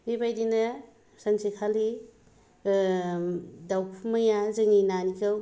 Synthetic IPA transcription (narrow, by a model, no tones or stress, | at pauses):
bibajdinɐ | sansikʰali | dawpʰumajazɯŋinanikʰɯw